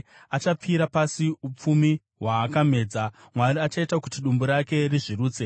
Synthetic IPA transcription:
at͡ʃap͡fiːɾapasiup͡fumi | ɦwaːkame̞ːd͡za | mwariat͡ʃaitakutiɗumbuɾake̞riʐiruːt͡se̞

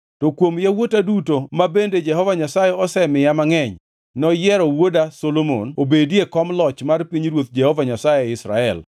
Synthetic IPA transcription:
tɔkwomjawotadutomabended͡ʒɛhɔvaɲasajeɔsɛmɪjamaŋɛɲ | nɔjɛɾɔwodasolomo̰nobedjekɔmlɔt͡ʃmarpiɲɾwot̪̚d͡ʒɛhɔvaɲasajeɪsɾa̰ɛ̰l

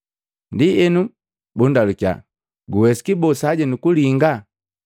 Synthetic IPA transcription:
ndiɛnu | bundaluka̰ | ɡuwɛsi̥kibɔsaɟɛnukuliŋɡa

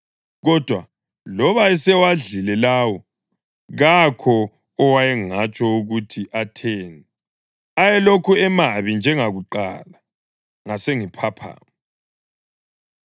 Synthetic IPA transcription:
ɣɔd̥ʱwa | lɔβaɛsɛwaɮilɛlaːwɔ | ɣakʰɔː | wajɛŋat͡ʃʼɔuɣutʰiʔatʰeːnɛ | ajɛlokʰuɛmaβind͡ʒʱɛŋaɣuǃa̰la | ŋaseŋipʰapʰa̰ːm

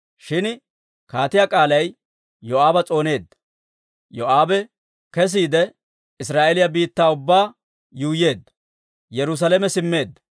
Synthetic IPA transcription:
ʃɪn | kaːt̪ɪjakʼaːlɐj | jɔʔaːbɐt͡sʼo̞ːne̞ːd̪ːɐ | jɔʔaːbɛ | kɛs̬iːd̪ɛ | ɪsɾaːʔɛlɪjɐbiːt̪ːaːʊbːaː | juːjeːd̪ːɐ | jɛɾʊs̬ɐlɛmɛsɪmːe̞ːd̪ːɐ

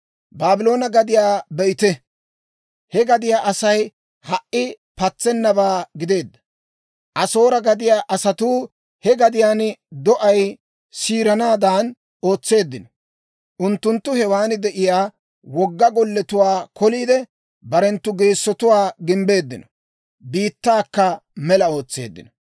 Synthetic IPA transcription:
baːbɪlo̞ːnɐɡɐd̪ɪjaːbɛjɪt̪ɛ | hɛɡɐd̪ɪjaːʔɐsɐj | hɐʔɪ | pɐt͡sːɛnːɐbaːɡɪd̪e̞ːd̪ːɐ̥ | ʔɐso̞ːɾɐɡɐd̪ɪjaːʔɐsɐt̪uː | hɛɡɐd̪ɪjaːnd̪ɔʔɐj | siːɾɐnaːd̪aːn | o̞ːt͡sːe̞ːd̪ːɪnɔ | ʔʊnt̪ːʊnt̪ːʊhɛwaːnɪd̪ɛʔɪjaː | wɔɡːɐɡɔlːɛt̪ʊwaːkɔliːd̪ɛ | bɐɾɛnt̪ːʊɡe̞ːsːɔt̪ʊwaːɡɪmbe̞ːd̪ːɪnɔ̥ | biːt̪ːaːkːɐmɛlɐo̞ːt͡sːḛːd̪ːɪ̰nɔ

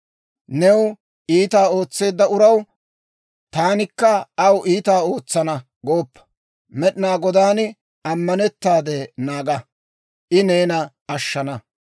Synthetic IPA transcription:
nɛw | ʔiːt̪aːo̞ːt͡sːe̞ːd̪ːɐʊɾɐw | t̪aːnɪkːɐɐwʔiːt̪aːo̞ːt͡sːɐnɐ | ɡo̞ːpːɐ̥ | mɛɗɪnaːɡɔd̪aːn | ɐmːɐnɛt̪ːaːd̪ɛnaːɡɐ | ʔɪneːnɐ | ɐʃːɐnɐ

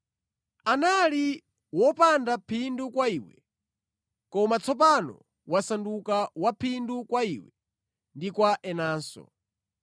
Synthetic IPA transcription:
anali | wɔpandapʰindukwaiwɛ | kɔmat͡sɔp̬anɔ̰ | wasandukawapʰindukwaiwɛ | ndikwaʔɛnaːnsɔ̰

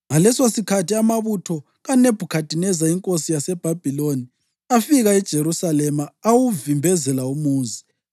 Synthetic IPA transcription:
ŋalɛsosikʰatʰiamaβutʰɔ | ɣaneb̥ʱukʰad̥ʱinɛzaiŋkʼosijasɛb̥ʱab̥ʱiloni | afiɣaɛd̥ʒ̥ʱeɾusalɛmaːwuvimbʱɛzɛlaumuːzi

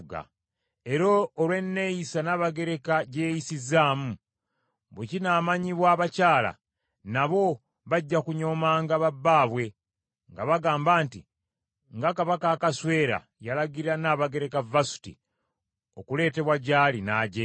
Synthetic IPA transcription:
ɡa̰ | e̞ɾoːlwe̞nːe̞jisanaːβaɡe̞ɾe̞kaɟe̞ːjisizaːmu | βwecinaːmaɲiβwaːβacaːla̰ | naβo̞ | βaɟːakuɲo̞ːmaːŋɡaβabːaːβwe̞ | ŋɡaβaɡaːmbaːnti | ŋɡakaβakaːkaswe̞ːɾa̰ | jalaɡiɾanaːβaɡe̞ɾe̞kavasu̥tḭ | okule̞ːte̞βwaɟaːlinaːɟe

